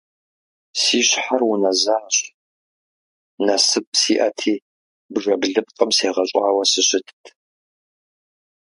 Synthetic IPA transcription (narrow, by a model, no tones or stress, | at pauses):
siːɕħarwʊnɐzaːɕʼ | nɐsɨp̚ʼsiːʔɐtʰiː | bʐɐbɮɨpqʼəmseːʁɐɕʼɑːwɐsɨɕɪtʰtʰ